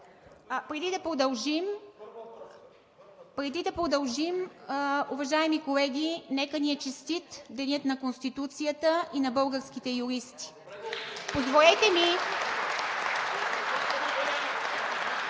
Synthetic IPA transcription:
pɾɛd̪id̪ɐpɾod̪ɐlˠʒim | pɾɛd̪id̪ɐpɾod̪ɐlˠʒim | uvɐʒaɛmikolɛɡʲinɛkəniɛt͡ʃist̪it̪d̪ɛnʲət̪nɐkonst̪it̪ut̪sijət̪əinɐbɤlˠɡəɾsk̟it̪ɛjuɾist̪i̥ | pozvolɛt̪ɛmi

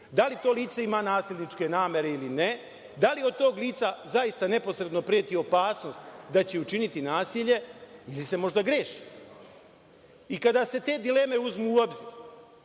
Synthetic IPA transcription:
d̪alit̪o̞ːliːt̪seimaːnaːsilʲnit͡ʃke̞naːmje̞ɾe̞iline | d̪aliod̪̚t̪o̞ːɡliːt̪sazaist̪ane̞po̞sɾe̞d̪no̞pɾiet̪io̞paːsno̞st̪d̪at͡ɕeut͡ʃinit̪inaːsiʎe̞ilise̞mo̞ʒd̪aɡɾeːʃi̥ | ikad̪ase̞t̪e̞ːd̪ile̞ːme̞uzmuːo̞bziːɾ

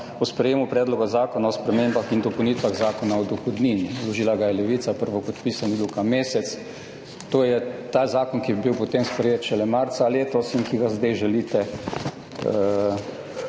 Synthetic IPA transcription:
ɔspɾɛjeːmupɾɛːd̪lɔɡazaːkɔnaɔspɾɛmembaxind̪ɔpowniːt̪ʋaɣzaːkɔnaɔd̪ɔxɔd̪niːnilɔʒiːlaɡajɛlɛʋit̪sapəɾʋɔpɔt̪piːsanibiwkamːeːsɛt̪s | t̪oːjɛt̪aːzaːkɔnkibiwpot̪emspɾɛjeːt̪ʃɛlɛmaɾt̪saleːt̪ɔsiŋkiɡazd̪ɛjʒɛliːt̪ɛ

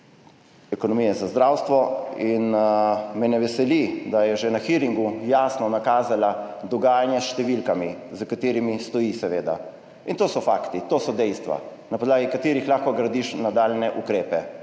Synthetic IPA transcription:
ɛkɔnɔmijɛzazd̪ɾawst̪ʋɔin | mɛnɛʋɛsɛlid̪ajɛʒɛnaxiɾiŋɡujaːsnɔnakaːzalad̪ɔɡaːjanjasʃt̪ɛʋilkamizəkat̪eːɾimist̪ɔjisɛʋeːd̪a̰ | int̪oːsɔfaːkt̪it̪oːsɔd̪ɛjst̪ʋa̰ | napɔd̪laːɡikat̪eːɾixlaːxkɔɡɾad̪iʃnad̪aːlnɛʔukɾeːpɛ

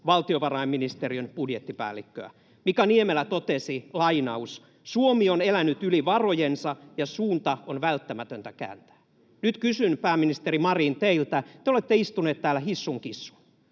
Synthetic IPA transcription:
ʋɑlt̪ioʋɑrɑemːinist̪eriønpudjet̪ːipæ̰ːlːikːø̰æ̰ | mikæniemelːæt̪ot̪esilɑinɑus | suomionelænyt̪yliʋɑrojensɑjɑsuːnt̪ɑonʋælt̪ːæmæt̪ønt̪ækæ̰ːnt̪æ̥ː | nyt̪kysynpæːminist̪erimɑriːnt̪eilt̪æt̪eolet̪ːeist̪uneːt̪t̪ːæːlæhisːuŋkisːu̥

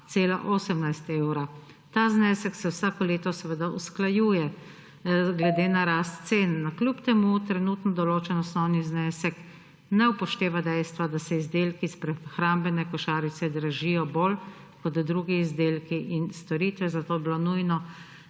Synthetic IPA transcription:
t̪seːlaʔoːsɛmnajst̪ewɾa | t̪aznɛsɛksɛwsaːkɔleːt̪ɔsɛʋəd̪ausklajuːjɛ | ɡlɛd̪eːnaɾast̪seːnːaklʲjupt̪ɛmut̪ɾɛnuːt̪nɔd̪ɔloːt͡ʃɛnɔsnɔwniznɛːsɛk | nɛwpɔʃt̪eːʋad̪ɛjst̪ʋad̪asɛizd̪eːlkispɾɛxɾambɛnɛkɔʃaːɾisɛd̪ɾaʒijɔbol | kɔd̪d̪ɾuːɡiːzd̪eːlkiʔinst̪ɔɾiːt̪ʋɛzat̪oːbilonujnɔ

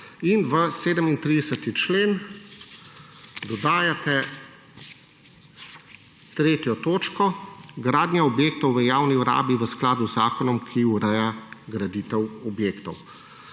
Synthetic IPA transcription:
inʋəseːd̪əmint̪ɾid̪ɛsət̪it͡ʃleːn | d̪ɔd̪aːjat̪ɛ | t̪ɾeːt̪jɔt̪oːt͡ʃkɔɡɾaːd̪nʲjaɔbjeːk̚t̪ɔwʋəjaːwniuɾa̰ːbiʋəsklaːd̪uzzaːkɔnɔmkʰiuɾɛjaɡɾad̪it̪ɛwɔbjeːkt̪ɔw

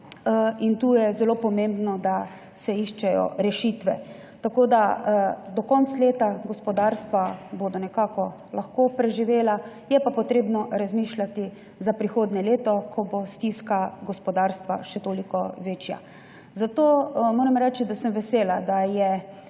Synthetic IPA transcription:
int̪uːjɛzɛloːpɔmẽmbnɔd̪a | sɛiʃt͡ʃɛjɔ̰ɾɛʃiːt̪ʋɛ | t̪akoːd̪ad̪ɔkɔnt̪sleːt̪aɡɔspɔd̪aːɾst̪ʋabod̪ɔnɛkaːkɔ | laxkopɾɛʒiʋeːlajɛpapɔt̪ɾeːbnɔɾazmiːʃlʲat̪i | zapɾixoːd̪nɛleːt̪ɔkʰɔbost̪iskaɡɔspɔd̪aɾst̪ʋa̰ʃɛt̪oːlikɔʋeːt͡ʃja̰ | zat̪oːmoːɾɛmɾɛt͡ʃid̪asəmʋɛseːlad̪ajɛ

